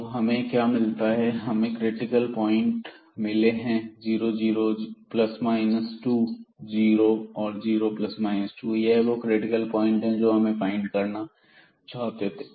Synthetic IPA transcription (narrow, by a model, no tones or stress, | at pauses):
ɦɐmẽkjaːmɪlt̪aɦɛɦɐmẽkɾɪʈɪkəlpɔːɪ̃ɳʈ | mɪleɦɛ̃d͡ʒiːɾod͡ʒiːɾoplɐsmaːɪnəsʈud͡ʒiːɾoɔːɾd͡ʒiːɾoplɐsmaːɪnəsʈujɐɦɛʋokɾɪʈɪkəlpɔːɪ̃ɳʈɦɛ̃d͡ʒoːɦɐmẽfaːɪ̃ɳɖkɐɾna | t͡ʃaːɦt̪et̪e